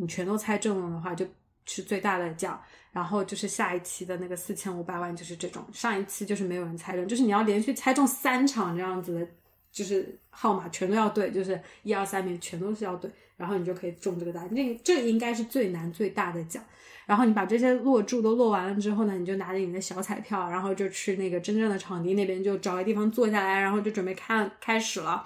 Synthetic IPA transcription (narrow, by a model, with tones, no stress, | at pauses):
ni˨˩t͡ɕʰɥɛ˧˥nt̪o˥ʊt͡sʰa˥ɪʈ͡ʂɤ˥˩ŋlə˥˩d̪ə˩xwa˥˧t͡ɕjo˥˧ʊ | ʂɻ̩˥˧t͡swe˥˧ɪt̪a˥˩d̪ə˩t͡ɕjɑ̰˨˩˦ɻa˧˥nxo˥˧ʊt͡ɕjo˥˧ʊʂɻ̩˥˧ɕja˥˧i˥˩t͡ɕʰi˥d̪ə˨na˥˩ɡə˩sɹ̩˥˩t͡ɕʰjɛ˥nu˧˥pa˨˩ɪwa˥˧nt͡ɕjo˥˧ʊʂɻ̩˥˧ʈ͡ʂɤ˥˩ʈ͡ʂʊ̰˨˩˦ŋʂɑ˥˧ŋi˥˩t͡sʰi˧˥t͡ɕjo˥˧ʊʂɻ̩˥˩m˧˥ɪo˨˩ʊɻə˧˥nt͡sʰa˥ɪʈ͡ʂɤ˥˧ŋt͡ɕjʂɻni˨˩ɑ˥˩ʊljɛ˧˥nɕy˥˩t͡sʰa˥ɪʈ͡ʂʊ˥˩ŋsa˥nʈ͡ʂʰɑ˨˩ŋʈ͡ʂɤ˥˧jɑ˥˩ŋd͡zɹ̩˩d̪ə˩ | t͡ɕjo˥˧ʊʂ̬ɻ̩˥˧xɑ˥˩ʊma˨˩t͡ɕʰɥɛ˧˥nt̪o˥ʊjɑ˥˧ʊt̪we˥˩ɪt͡ɕjo˥˧ʊʂɻ̩˥˩i˞˥˧sa˥nmjɛ˧˥nt͡ɕʰɥɛ˧˥nt̪o˥ʊʂɻ̩˥˧jɑ˥˧ʊt̪we˥˩ɪɻa˧˥nxo˥˩ni˨˩t͡ɕjo˥˩kʰi˨˩ʈ͡ʂʊ˥˧ŋʈ͡ʂɤ˥˩ɡə˩t̪a˥˩˥ʈ͡ʂʈ͡ʂɤ˥˩ɡə˩i˥ŋka˥ɪʂɻ̩˥˧t͡swe˥˩ɪna˧˥nt͡swe˥˧ɪt̪a˥˩d̪ə˩t͡ɕjɑ̰˨˩˦ŋ | ɻa˧˥nxo˥ʊni˧˥pa˨˩ʈ͡ʂɤ˥˩ɕ̬jɛ˥lwɔ˥˧ʈ͡ʂu˥˩t̪o˥ʊlwɔ˥˩wa˧˥nlə˧ʈ͡ʂɻ̩˥xo˥˩ʊnə˩ni˨˩t͡ɕjo˥˩ʊna˧˥lə˧ni˨˩d̪ə˦ɕjɑ˧˥ʊt͡sʰa˨˩ɪpʰjɑ˥˩ʊɻa˧˥nxo˥˧ʊt͡ɕjo˥˧ʊt͡ɕ̩ʰ˥˧ne˥˩ɡə˩ʈ͡ʂə˥nʈ͡ʂɤ˥˩ŋd̪ə˩ʈ͡ʂʰɑ˨˩ŋt̪i˥ne˥˩ɪpjɛ˥nt͡ɕjo˥˩ʊʈ͡ʂɑ˨˩ʊi˧˥i˥˩ɑ˧˥ŋt͡swɔ˥˧ɕ̬ja˥˩la˧˥ɪɻnxo˥˧ʊt͡ɕjo˥˩ʊʈ͡ʂə˨˩pe˥ɪkʰa˥˩ə˧˩kʰa˥ɪʂɻ̩˨˩lə˦